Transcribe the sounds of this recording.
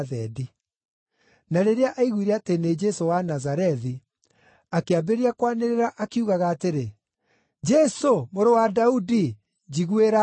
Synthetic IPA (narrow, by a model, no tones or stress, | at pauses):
ðɛdi | naɾeɾeaʔaiɣwiɾɛatened͡ʒɛsowanazaɾɛði | akeabeɾiakwaneɾeɾaʔakiuɣaɣaːteɾe | d͡ʒɛsomoɾowadaudi | d͡ʑiɣweɾa